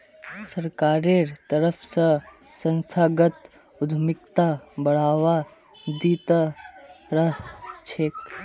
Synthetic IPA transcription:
səɾkaːɾeɾt̪əɾəpʰsə | sə̃nst̪ʰaːɡət̪ | ʊd̪ʱmɪk̚t̪abɐɽ̤aːʋa | d̪iːt̪ | ɾəɦt͡ʃʰeːk

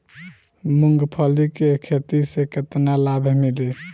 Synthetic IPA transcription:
muŋɡpʰəlikekʰet̪iseket̪nalabʱmili

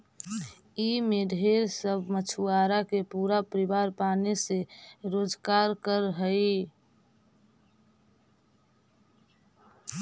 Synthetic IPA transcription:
imeɖʱeːɾsəbʱmət͡ʃʰuaːɾakepuːɾapəɾɪbaːɾpaːneseɾoːd͡ʒkaːɾkəɾɦəi

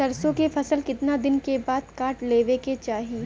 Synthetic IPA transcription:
ɐɾsõkefʰɐsəlkɪt̪nad̪ɪnkebaːd̪kaːɾʈleːʋeket͡ʃaːɦi

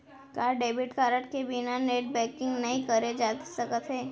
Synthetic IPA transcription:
kaːɾɖeːbɪʈkaːɾəʈkebinaneːʈ̚bɛ̃ːkɪ̃ŋɡnɐĩkəɾed͡ʒaːt̪səkət̪ɦeː

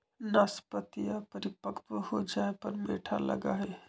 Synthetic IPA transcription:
naspət̪ijapəɾipəkʰt̪əhod͡ʒaːepəɾmeʈʰalə̰ɡa̰ɦe

